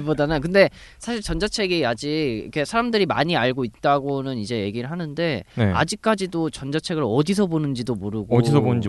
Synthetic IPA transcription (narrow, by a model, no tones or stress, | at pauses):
podanakɯnde̞ | sʰaɕʰiɭt͡ɕʌnd͡ʑat͡ɕʰe̞ɡiad͡ʑiʌ̰kʰe̞sʰaɾamdɯɾima̰ɲiaɭɡoit̚t͈aɡonɯnid͡ʑe̞je̞ɡiɾɯɭɦanɯnde̞nea̰d͡ʑik̚k͈ad͡ʑidot͡ɕʌnd͡ʑat͡ɕʰeɡɯɭʌdis̬ʰʌbonɯnd͡ʑidomoɾɯɡodisʌbonɯnd͡ʑi